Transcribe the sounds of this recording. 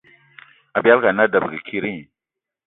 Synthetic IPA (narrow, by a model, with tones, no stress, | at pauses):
a˨bi˨a˦lka˨na˦da˨bə˨ɡə˨kʰi˦ɾi˦˨